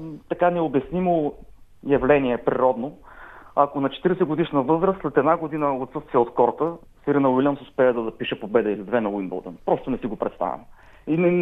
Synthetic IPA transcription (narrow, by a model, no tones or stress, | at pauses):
t̪ɐkanɛobjɐsnimo | jɐvlɛniɛpɾiɾɔd̪noɐkonɐt͡ʃɛ̥t̪iɾɛsɛɡʊd̪iʃnəvɤzɾəst̪lɛt̪ɛd̪naɡod̪inəot̪sɤst̪vijəot̪kɔɾt̪ə | siɾinəʊilʲansʊspɛɛd̪ɐd̪ɐpiʃɛpobɛd̪ɐilʲid̪vɛnɐwinbo̰lˠd̪ə̰npɾɔst̪ʊnɛsiɡopɾɛt̪st̪a̰vʲɛ̰m | inɛ